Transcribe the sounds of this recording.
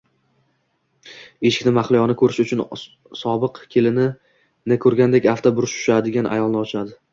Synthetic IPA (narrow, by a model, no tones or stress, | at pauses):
e̞ʃɪ̥kʲnɪmaχlɪjɒnɪkʰɵɾɪʃʊt͡ʃʰʊn | sɒbɨqkʲʰelɪnɪ | nɪkʰɵɾɡʲand̪e̞kʲaft̪ʰabʊɾɪʃʰʊ̥ʃad̪ɪɡʲanʔa̰jɒlˠnɪɒt͡ʃʰad̪ɪ